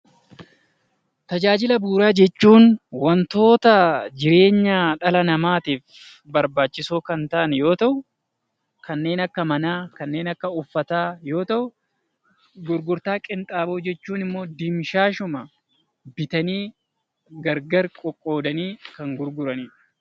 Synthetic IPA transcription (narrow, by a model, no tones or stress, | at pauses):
t̪ɐd͡ʒaːd͡ʒɪlɐbuːɾaːd͡ʒɛt͡ʃːuːnwɐnt̪o̞ːt̪ɐd͡ʒɪɾe̞ːɲːaːᶑɐlɐnɐmaːt̪iːf | bɐɾbaːt͡ʃːɪsoːkɐnt̪ɐʔɐnjo̞ːt̪ɐʔʊ | kɐnːe̞ːnɐkːɐmɐnaːkɐnːe̞ːnɐkːɐʊfːɐt̪aːjo̞ːt̪ɐʔʊ | ɡʊɾɡʊɾt̪aːkʼɪnt̪ʼaːboːd͡ʒɛt͡ʃːuːnɪmːo̞ːd̪ɪmʃaːʃʊmɐ | bɪt̪ɐniː | ɡɐɾɡɐɾkʼɔkʼːo̞ːd̪ɐniːkɐŋɡʊɾɡʊɾɐniːᶑʊ̥